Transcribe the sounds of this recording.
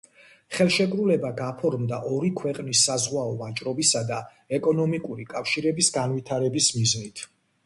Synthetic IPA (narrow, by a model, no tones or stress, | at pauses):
χɛlˠʃɛkʼɾulɛbaɡapʰɔɾmd̪aʔɔɾikʰwɛqʼnisːazʁwaɔvat͡ʃʼɾɔbisad̪a | ɛkʼɔnɔmikʼuɾikʼafʃiɾɛbisɡanvit̪ʰaɾɛbismiznit̪ʰ